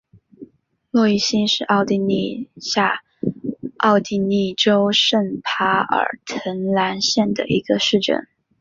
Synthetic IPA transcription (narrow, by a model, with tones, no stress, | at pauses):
lwɔ˥˧i˥˩ɕi˥nʂɻ̩˥˧ʔɑ˥˩ʊt̪i˥˧ni˥˧ɕja˥˧ | ɑ˥˧ʊt̪i˥˧ni˥˩ʈ͡ʂo˥ʊʂə˥˩npʰa˧˥ə̰˞˨˩t̪ʰə˧˥nla˧˥nɕjɛ˥˩nd̪ə̰˩ʔi˧˥ɡə˧ʂɻ̩˥˧ʈ͡ʂə̰˥˩n